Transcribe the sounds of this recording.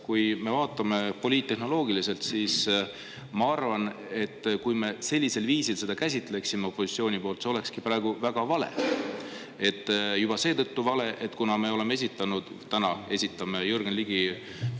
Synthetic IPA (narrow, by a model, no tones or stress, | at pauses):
kujme̞vɑːt̪ːˑɑme̞po̞lit̪t̪ːe̞ɦno̞lo̞ːɡ̥ilise̞lt̪siːs | mɑɑrvɑn | e̞t̪ːkujme̞se̞lʲːise̞lviːsilse̞d̪̥ɑkæs̬ʲit̪ːˑle̞ksimeo̞pːˑo̞si̥t̪sio̞ːnipo̞ːlt̪seo̞le̞kskipɾɑˑeɡ̥uvæɡ̥ɑvɑle̞̰ | e̞t̪ːjub̥ɑse̞ːt̪ɤ̞t̪ːuvɑle̞ʔet̪ːkunɑme̞o̞le̞mee̞s̬it̪ˑːɑnud̪̥ | t̪ænɑe̞sʲit̪ːˑɑmejurɡ̥enliɡ̥i